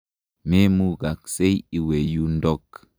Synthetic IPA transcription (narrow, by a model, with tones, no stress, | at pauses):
me˦mu˦ɡa˨k̚se˦ji˨we˨ju˦ndɔ˦k